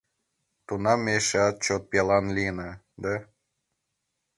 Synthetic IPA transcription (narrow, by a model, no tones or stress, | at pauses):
t̪unɑmːeʃeɑt̪̚t͡ɕot̪̚pʲelɑnlʲinɑ | d̪æ